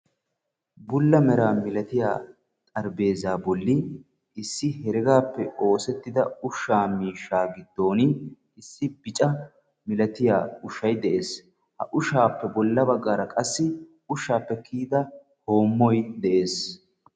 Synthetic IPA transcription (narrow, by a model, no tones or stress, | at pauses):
bʊlːɐmɛɾaːmɪlɐt̪ɪja̰ː | t̪ʼɐɾbe̞ːzaːbɔlːɪ | ɪsːɪhɛɾɪɡaːpːɛo̞ːsɛt̪ːɪd̪ɐʊʃːaːmiːʃːaːɡɪd̪ːo̞ːnɪ | ɪsːɪbɪt͡ʃʼɐ | mɪlɐt̪ɪja̰ːʊʃːɐjd̪ɛʔe̞ːs | hɐ̰ʔʊʃaːpːɛbɔlːɐbɐɡːaːɾɐkʼɐsːɪ | ʊʃːaːpːɛkiːd̪ɐ | ho̞ːmːɔjd̪ɛʔe̞ːs